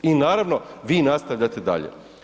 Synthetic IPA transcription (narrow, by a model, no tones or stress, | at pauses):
inaːɾaʋnoʋiːnast̪aʋʎat̪e̞d̪a̰ʎḛ